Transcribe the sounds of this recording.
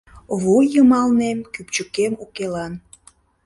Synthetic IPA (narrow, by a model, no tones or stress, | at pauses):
βojəmɑlnemkyp̚t͡ɕəkemukelɑn